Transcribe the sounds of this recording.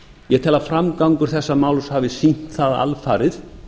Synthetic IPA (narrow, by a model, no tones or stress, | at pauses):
jɛt̪ʰɛlafɾamkawŋkʏɾ̥θɛsːamaːwlshaːvɪsin̥t̪θaða̰lfaːɾɪθ